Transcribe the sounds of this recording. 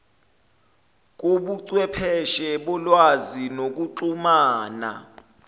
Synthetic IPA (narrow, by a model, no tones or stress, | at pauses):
k̬uɓuǀwɛpʰɛʃɛɓɔlwazinok̬uǃumaːna̰